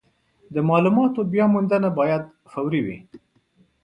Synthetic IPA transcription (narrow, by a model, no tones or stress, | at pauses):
d̪əmɑlumɑt̪objɑmʊnd̪ənabɑjad̪ | fawɾiwḭ